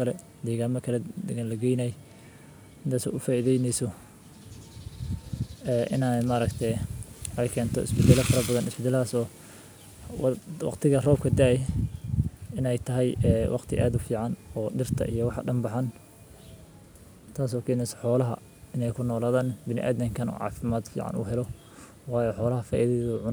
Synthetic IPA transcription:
kʰɐlɛ | d̪iːɣaːmɐkʰɐlɛd̪ɛɣalɐɡɛjnaːj | ɪnd̪aːsɔ̰ʔʊfaːʔiðɛjnɛjsɔ | ɛːʔɪ̰naːmaɾɐkt̪ʰɛɛjkʰɛːnt̪ʰɔ̰ɪ̰sbɪd̪ɛlɐfɐɾɐbɐðɐnɪsbɪd̪ɛlaːsɔː | wɑ̰qt̪ʰɪɣɐrɔːb̚kʰɐd̪aːjɛ | ɪnɛjt̪ʰɐɦɛjɛːwʔɑqt̪ʰɪʔaːd̪ʊfiːʕɑnɔːɖɪrt̪ʰɐ̰ʔḭjɔwɑħɑɖɐmbɑħɑn | t̪ʰaːs̬ɔːkʰɛːnɛjsɔ̥ħɔːlɐɦɐ̰ | ɪnɛjkʰʊnɔːlaːðaːnbɪnɪ̰ʔa̰ːðɪŋkʰɐnɔ̰ːʕɑ̰ːfɪmaːd̪fḭːʕɑ̰nṵːɦɛlɔ | wɑːjɔːħɔːlɐɦɐfaːʔiðɛɔʕʊn

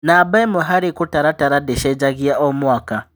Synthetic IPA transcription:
naːbaɛmuɦaɾikutaɾataɾadɛʃɛd͡ʒaɣiaʔɔmwaka

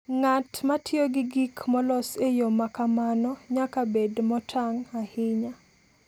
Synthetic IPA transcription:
ŋatmatjoɡɪɡikʰmɔlɔsejomakamanɔɲakabedmɔtʰaŋahɪɲa

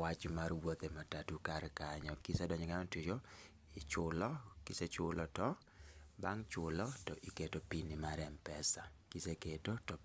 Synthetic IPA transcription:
wat͡ʃmarwot̪ematatukarkaɲɔkisedɔɲɔɡanɔntud͡ʒo | ɪt͡ʃʊlɔkiset͡ʃʊlɔtɔ | baŋt͡ʃʊlɔtɔʔiketopinimaɾɛmpɛsakiseketotɔ

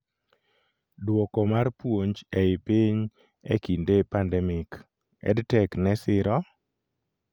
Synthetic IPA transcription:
dwɔkɔmarpwoɲd͡ʒɛɪpiɲ | ḛkindepandɛmɪk | ɛ̰dtɛknɛsɪɾɔ

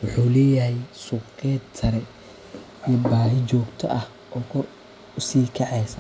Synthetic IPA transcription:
wʊħuːlɛːjɐɦɛjsʊːqɛːd̪sʰɐɾɛ | ijɔbaːɦɪt͡ʃɔːɡt̪ʰɔ̰ʔɐh | ɔːkʰɔr | ʊsiːkʰɛʕɛjsɐ

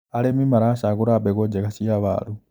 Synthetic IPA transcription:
alemimaɾaʃaɣuɾabeɣod͡ʒekasijaβa̰lu

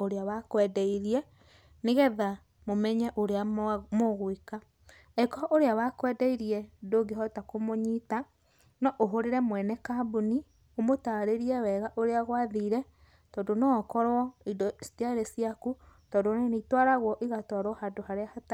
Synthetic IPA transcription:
oɾeawakwɛdɛiɾiɛ | neɣɛða | momɛɲɛʔoɾeamoɣweka | ɛkɔɔʔoɾeawakwɛdɛiɾiɛdoɡeɦɔtakomoɲita | nɔʔoɦoɾeɾɛmwɛnɛkabuni | omotaɾeɾiɛwɛɣaʔoɾeaɣwaðiːɾɛ | tɔːdonɔːkɔɾwɔidɔsi̥tiaɾesiakutɔːndoneneitwaɾaɣwɔʔiɣatwaɾwɔhadohaɾeahata

